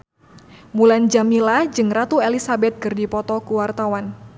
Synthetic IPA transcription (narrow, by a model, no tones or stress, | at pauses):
muland͡ʒamilad͡ʒɨŋrat̪uelisabɛt̪̚kɨrdipɔt̪ɔkuwart̪awan